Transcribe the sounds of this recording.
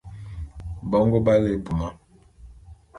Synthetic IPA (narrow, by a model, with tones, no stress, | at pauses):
bɔ˦ŋɡɔ˦ba˦le˨bu˨ma˦